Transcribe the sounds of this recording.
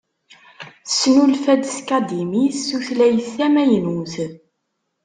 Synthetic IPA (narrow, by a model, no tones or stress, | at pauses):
sːnulfæd̪skæd̪imisːuθlæjəθːæmæjnuθ